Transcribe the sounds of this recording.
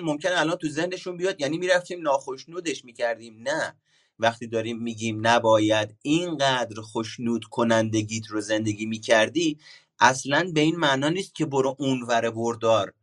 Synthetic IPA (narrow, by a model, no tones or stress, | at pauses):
mo̞mcʰe̞neælɒːnt̪ʰuze̞hne̞ʃunbijɒːd̪jæːniːmiːɾæft̪iːmnɒːxo̞ʃnuːd̪e̞ʃmiːcʰæɾd̪iːmnæ | væxt̪iːd̪ɒːɾiːmːiːɟiːmnæbɒːjæd̪iːnŋɢæd̪ɾxo̞ʃnuːd̪̥kʰo̞nænd̪e̞ɟiːt̪ʰɾoze̞nd̪e̞ɡʲiːmiːcʰæɾd̪iː | ʔæslænbe̞iːnmænɒːniːst̪̚cʰʲe̞boɾoʔunvæɾeboɾd̪ɒːɾ